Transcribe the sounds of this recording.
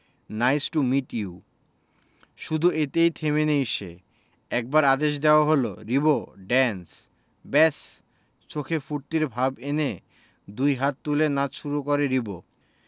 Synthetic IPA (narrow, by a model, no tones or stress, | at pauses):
najsʈumiʈju | ʃud̪ʱuet̪ejt̪ʰemenejʃḛ | ɛk̚baɾad̪eʃ̬d̪eoaɦolo̰ɾiboɖɛns | bɛs | t͡ɕokʰefuɾt̪iɾbʱabene | d̪ujɦat̪̚ːulenat͡ɕʃuɾukɔɾeɾibo